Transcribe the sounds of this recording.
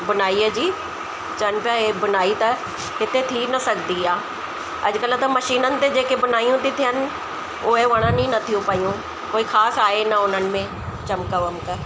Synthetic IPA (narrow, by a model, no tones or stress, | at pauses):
bənaːiːɛːd͡ʒiː | t͡ʃənpɪjaːebənaːiːt̪a | kɪt̪ʰeːt̪ʰiːnəsəkd̪iːaː | ə̰d͡ʒkəlaːt̪ãːməʃiːnənt̪eːd͡ʒeːkebənaːijũːt̪ɪt̪ʰːeɦən | oːeːʋəɽ̃ãːnĩːnət̪ʰiũːpaːiːũː | koːiːkʰaːsaːeːnaonənmẽː | t͡ʃəmkaːʋəmkə